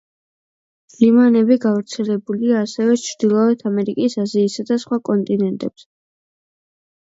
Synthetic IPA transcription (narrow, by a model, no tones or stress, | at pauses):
limanɛbiɡavɾt̪sʰɛlɛbuliaːsɛvɛt͡ʃʰɾd̪̥ilˠɔɛt̪ʰamɛɾikʼisaziːsad̪asχwakʼɔnt̪ʼinɛnt̪ʼɛps